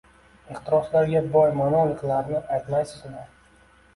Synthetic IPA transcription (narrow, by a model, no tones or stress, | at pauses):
ɪχt̪ɪɾɒslaɾɡʲabɒjmanɒlˠqʰɨlˠaɾnɪʔajt̪majsɪzlaɾ